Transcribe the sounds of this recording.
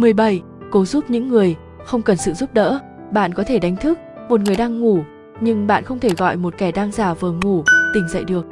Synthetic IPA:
mɨ˨˩əjɓə˧˩j | ko˨˦zu˦˥p̚ɲɨ̰˧˥ŋːɨ˨˩əj | xə˧wŋ͡mkə˨˩nsɨ̰˧˨zu˦˥p̚ɗə̰ː˧˥ | ɓa̰ː˧˨nkɔ˨˦t̪ʰe˧˩ɗa˨˦ŋ̟t̪ʰɨ˦˥k̚ | mo˨˩t̚ŋɨ˨˩əjɗaː˧ŋːu˧˩ | ɲɨ˧ŋɓa̰ː˧˨nxə˧wŋ͡mt̪ʰe˧˩ɣɔ̰˧˨jmo˨˩t̚kɛ˧˩ɗaː˧ŋzaː˨˩vɨ˨˩əŋu˨˧˩t̪ï˨˩ŋ̟zə̰˧˨jɗɨ˨˩ək̚

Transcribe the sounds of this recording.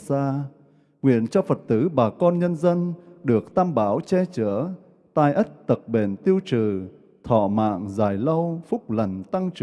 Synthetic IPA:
saː˧ | ŋwḭ˧˨ənt͡ɕɔ˧fə˨˩t̚t̪ɨ˧˨˦ɓaː˨˩kɔ˧nɲə˧nzə˧nɗɨ˨˩ək̚t̪ʰaː˧mɓaː˨˦wt͡ɕɛ˧t͡ɕəː˧˩˦ | t̪aː˧jʔə˦˥t̚t̪ə˨˩k̚ɓe˧˩nt̪i˧əwt͡ɕɨ˧˨˩ | t̪ʰɔ̰˧˨ma̰ː˧˨ŋzaː˨˩jlə˧wfʊ˦˥k͡p̚lə˨˩nt̪a˧ŋt͡ɕ

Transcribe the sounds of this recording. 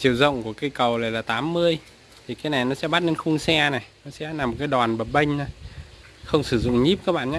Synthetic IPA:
t͡ɕi˨˩əwzə̰˧˨wŋ͡mku˧˩əka˨˧˦jkə˨˩wlaː˨˩laː˨˩t̪aː˨˦mːɨ˧əj | t̪ʰi˨˩kaː˨˦na˨˩jnɔ˨˦sɛ̰˧˥ɓa˦˥t̚ne˧nxʊ˧ŋ͡msɛ˧na˨˩jnɔ˨˦sɛ̰˧˥na˨˩mː˨˩t̚kaː˨˦jɗwaː˨˩nɓə˨˩t̚ɓə˧jŋ̟na˨˦ | xə˧wŋ͡msɨ˧˩zʊ̰˧˨ŋ͡mɲi˦˥p̚kaː˦˥k̚ɓa̰ː˧˨ʔɲaː˧˦

